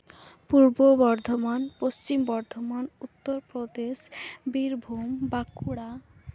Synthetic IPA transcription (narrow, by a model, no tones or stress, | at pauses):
puɾbobɔɾd̪ʱomanpost͡ɕimbɔɾd̪ʱomanut̪ːoɾpɾod̪eʃbiɾbʱumbakuɽa